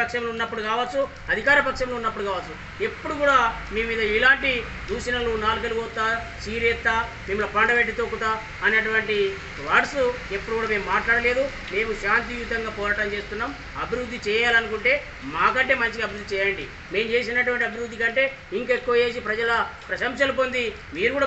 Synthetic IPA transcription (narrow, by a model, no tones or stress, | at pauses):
ɐkʂɐmlunːɐpːuɽukaːʋɐt̪ːsːu | ɐd̪ʱikaːɾɐpɐkʂɐmlounːɐpːuɽukaːʋɐt̪ːt͡sːsu | epːuɽukuːɽaː | meːmiːd̪ɐilaːɳʈi | d̪uːsinɐluːnaːlk̬ɐluɡoːt̪ːaː | siːɾet̪ːaː | mimːulɐpɐɳɖɐʋeʈ̬ːit̪oːkːut̪aː | ɐneʈ̬uʋɐɳʈi | ʋɐʈsu | epːuɽukuːɽaːme̞ːmːaːʈlaːɽɐle̞ːd̪u | me̞ːmuʃaːnt̪̬iʋjuːt̪ɐŋɡaːpɔːɾaːʈɐmt͡ʃeːst̪unːaːm | ɐbʱiɾud̪ʱːit͡ʃɛːjaːlɐnukuɳʈe̞ː | maːkɐɳʈe̞ːmɐɲt͡ʃikiɐbiɾud̪ːit͡ʃɛːjɐɳɖi | meːmut͡ʃe̞ːs̬inɐʈ̬uʋɐɳʈiɐbʱiɾud̪ːikɐɳʈe̞ː | iŋkekːuʋɐe̞ːs̬ipɾɐd͡ʒɐlɐpɾɐʃɐmʃɐlupond̪i | miːɾukuːɽa